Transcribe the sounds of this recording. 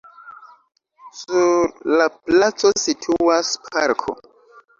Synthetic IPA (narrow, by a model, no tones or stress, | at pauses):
suɾlaplat͡so̞sitʰuaspʰaɾkʰo̰